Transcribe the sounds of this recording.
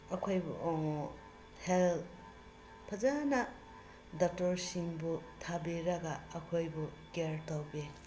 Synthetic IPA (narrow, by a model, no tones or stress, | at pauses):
ɐkʰojbṵʔɔŋ | hel | pʰazana | dak̚tɔɾsiŋbutʰabeɾaɡaːkʰojbuɡeɾtawbe